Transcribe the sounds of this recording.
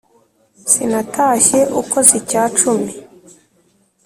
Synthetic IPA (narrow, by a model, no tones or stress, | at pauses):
sinatʰaːʃe̞ʔuko̞zicaːt͡ʃumi